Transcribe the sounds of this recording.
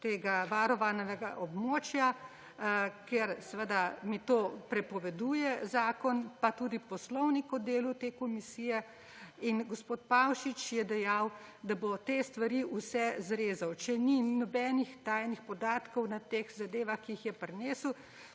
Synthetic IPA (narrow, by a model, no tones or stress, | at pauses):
t̪eːɡaʋaɾɔʋanɛʋɛɡaʔɔbmoːt͡ʃja | keɾsɛʋəd̪amit̪oːpɾɛpɔʋɛd̪uːjɛzaːkɔnpat̪uːd̪ipɔslɔwnikɔd̪eːlut̪eːkɔmisiːjɛ | inɡɔspoːt̪̚pawʃit͡ʃjɛd̪ɛjawd̪abot̪est̪ʋaɾiusɛzɾeːzawt͡ʃɛninɔbɛːnixt̪aːjnixpɔd̪aːt̪kɔwnat̪exzad̪eːʋaxkiixjɛpɾɛneːsw